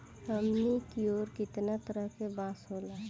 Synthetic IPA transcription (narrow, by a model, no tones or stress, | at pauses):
ɦəmnikioːɾkɪt̪nat̪əɾəɦkebãːsɦoːlaː